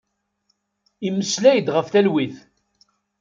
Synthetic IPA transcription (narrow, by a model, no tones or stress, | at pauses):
imːəslæjəd̪ʁəfθælwiθ